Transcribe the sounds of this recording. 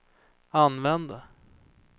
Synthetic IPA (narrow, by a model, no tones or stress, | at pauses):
anvɛnd̪ə